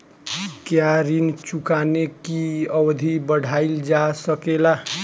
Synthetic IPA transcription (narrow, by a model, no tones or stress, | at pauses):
kjaɾint͡ʃukanekiəwd̪ʱibəɽ̤ʱaild͡ʒasəkela